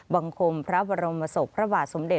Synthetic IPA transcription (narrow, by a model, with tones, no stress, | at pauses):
ba˧ŋkʰo˧mpʰɾa˦˥ba˧ɾo˧mːa˧so˨˩k̚pʰɾa˦˥baː˨˩t̪̚so˨˦mde˨˩